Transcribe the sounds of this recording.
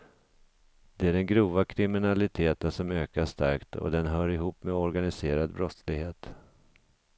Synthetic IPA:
d̪̥ɛæɖɛnɡɾuːvakʰɾɪmɪnalɪt̪ʰeːt̪ənʂɔmøːkaʂt̪a̰ɾkt̪ɔ̰d̪ɛnɦœːɾɪɦuːpːmɛɔɾɡanɪseːɾad̪bɾɔt̪slɪɡheːt̪

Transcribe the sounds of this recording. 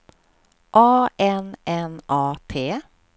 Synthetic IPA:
ʔɑːʔɛnʔɛnʔɑːt̪ʰeː

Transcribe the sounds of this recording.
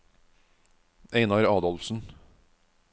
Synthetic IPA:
eɪnɑɾɑːd̪ɔlfsn̩

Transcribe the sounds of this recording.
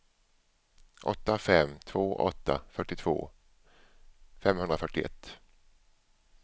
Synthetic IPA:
ʔɔ̰t̪ːafɛmt̪ʰvoːʔɔ̰t̪ːa̰fœʈːɪt̪ʰvo̰ː | fɛmhɵnd̪ɾafœʈːɪɛ̰t̪ː

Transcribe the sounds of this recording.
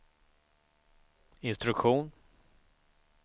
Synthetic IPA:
ɪnst̪ɾɵkɧuːn

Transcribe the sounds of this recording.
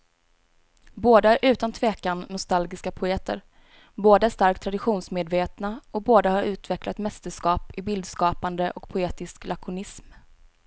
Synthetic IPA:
boːd̪aæɾʔʉ̟ːt̪ant̪ʰveːkanːʊst̪alɡɪskapʰʊeːt̪ʰə̰ɾ | boːd̪aæʂt̪aɾk̚t̪ʰɾad̪ɪɧuːnsmeːd̪veːt̪naɔk̚boːd̪ahaɾʉ̟ːt̪vɛklat̪mɛst̪əʂkɑːpɪbɪld̪skɑːpand̪əʔɔkpʰʊeːt̪ɪsklʔakʰʊnɪsm

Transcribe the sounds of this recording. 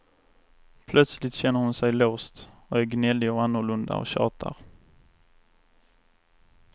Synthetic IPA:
pʰlœt̪slɪt̪ɕɛnːəɾhʊnsɛjloːst̪ɔæɾɡnɛlːɪɔanːʊɾɭɵnd̪a̰ɔ̰ɕɑ̰ːt̪ʰa̰ɾ

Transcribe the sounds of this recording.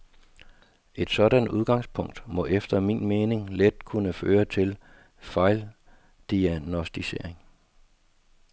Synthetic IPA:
ʔe̝d̥sɒ̽dænduð̞ˠɡ̥ɑ̈ŋspʰɔ̽ŋ̰d̥mɒ̽ʔefd̥ɐmḭːnme̝ːne̝ŋled̥̚kʰunəføːɐt͡sʰe̝l | fɑ̈ɪl | d̥iænɔsd̥ise̝ɐ̰eŋ

